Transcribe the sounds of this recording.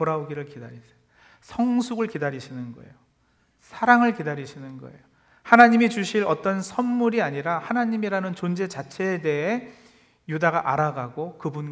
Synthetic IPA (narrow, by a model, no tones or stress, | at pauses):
oɾaoɡiɾɯɭkida̰ɾisʰeo | sʰʌŋsʰuɡɯɭkidaɾiɕʰinɯnɡʌ̰e̞̰jo | sʰaɾaŋɯɭkidaɾiɕʰinɯnɡʌ̰e̞̰jo | hanaɲimit͡ɕuɕʰiɾʌt͈ʌnsʰʌnmuɾiaɲiɾahanaɲimiɾanɯnt͡ɕond͡ʑet͡ɕat͡ɕʰe̞ːde̞ɦe̞ | judaɡaʔaɾaɡaɡokɯbun